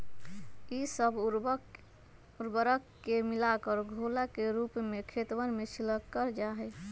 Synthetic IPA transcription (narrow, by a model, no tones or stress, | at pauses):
isəb | uɾbəɾəkːemilakəɾɡʱolakeɾupmekʰet̪wənmesʰiləkːəɾd͡ʒaɦɛ